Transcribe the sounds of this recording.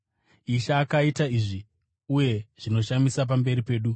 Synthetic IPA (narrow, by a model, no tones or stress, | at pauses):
iʃaːkaitaiːʐi | uje̞ʐ̥ino̞ʃamisap̬ambe̞ɾipe̞ːɗu